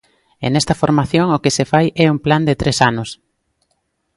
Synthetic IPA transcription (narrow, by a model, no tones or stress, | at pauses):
ḛnɛst̪ɐfoɾmaθjoŋokɪsefajʔɛumpland̪et̪ɾesanʊs